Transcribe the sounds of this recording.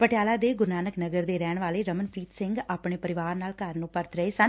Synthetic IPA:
pəʈɪjaːlaːd̪eːɡʊɾnaːnəknəɡəɾd̪eːɾɛːɳ̃ʋaːleːɾəmənpʰɾiːt̪sɪ̃ŋɡaːpɳeːpəɾɪʋaːɾnaːlkəɾnũːpəɾt̪ɾəeːsən

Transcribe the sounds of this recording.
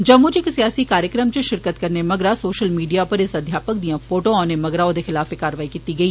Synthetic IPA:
d͡ʒəbmːʊd͡ʒɪksijaːsikaːɾjəkɾəmt͡ʃʃɪɾkət̪kəɾnemɐɡɾaːsoːʃəlmiːɖijaːpəɾɪsɐd̪ʱjaːpək̚d̪ijãːfʰoːʈõaːnemɐɡɾaod̪exɪlaːfekaːɾʋaːikiːt̪iɡɐiː

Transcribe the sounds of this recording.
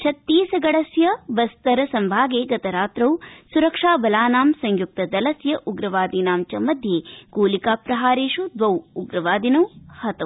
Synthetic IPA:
t͡ʃʰɐt̪ːiːsɐɡɐɽɐsjɐbɐst̪ɐɾɐsɐmbʱaːɡeːɡɐt̪ɐɾaːt̪ɾɐwsuɾɐkʂaːbɐlaːnaːmsɐŋjuk̚t̪ɐd̪ɐlɐsjɐʔuɡɾɐʋaːd̪inaːmt͡ʃɐmɐd̪ʱjeːɡoːlikaːpɾɐɦaːɾeːʃud̪ʋɐwuɡɾɐʋaːd̪inɐwhɐt̪ɐw

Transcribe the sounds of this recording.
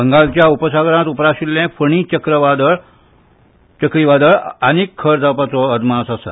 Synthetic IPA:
bəŋɡalt͡ɕjaupəsaɡɽãt̪upəɾaɕiljɛ̃fəɳ̃it͡ɕəkɾəʋad̪əɭ | t͡ɕəkɾiʋad̪əɭanikʰːəɾd͡zʱapat͡sɔəd̪mãsasə̰

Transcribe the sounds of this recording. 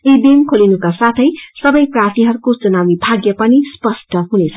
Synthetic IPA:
ed̪imkʰolinukasat̪ʰʌjsʌbʌjprat̪iɦʌɾukot͡sunamibʱaɡjʌpʌnispʌsʈʌɦunet͡sʰʌ

